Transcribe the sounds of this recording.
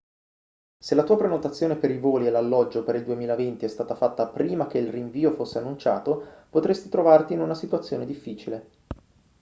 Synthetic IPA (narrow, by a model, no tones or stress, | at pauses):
selat̪uːapɾenot̪at̪sːjoːnepeɾivoːlielalːɔd͡ʒːopeɾild̪uemiːlavent̪iɛst̪aːt̪afat̪ːapɾiːmak̟eilriɱviːofosːeanːunt͡ʃa̰ːt̪opot̪ɾest̪it̪ɾovart̪iːnunasit̪uat̪sːjoːned̪ifːiːt͡ʃile